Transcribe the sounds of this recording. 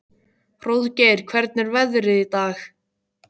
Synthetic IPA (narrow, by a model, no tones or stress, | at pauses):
r̥oðcejɾ̥kʰvɛɾt̪̚nɪɾvɛðʏɾɪðit̪aːx